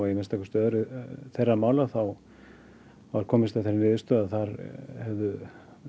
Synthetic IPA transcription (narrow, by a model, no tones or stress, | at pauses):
aɪmɛnst̪akʏ̥st̪œːðʏɾʏθejrːamaːwlaθaw | vaɾ̥kʰɔːmɪst̪aθeɾɪnɪːðɪst̪œːðaðθaɾhɛvðʏ